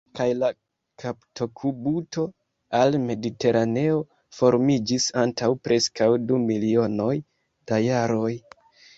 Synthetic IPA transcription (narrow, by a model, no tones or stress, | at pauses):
kajla | kʰapto̞kʰubuto̞ | alme̞dite̞ɾʔane̞o̞ | fo̞ɾmid͡ʒisantawpɾe̞skawdumilio̞no̞j | d̥ajaɾo̞j